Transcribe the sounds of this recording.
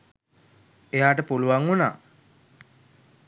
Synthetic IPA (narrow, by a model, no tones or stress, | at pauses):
ejaːʈəpuluʋaŋuna̰ː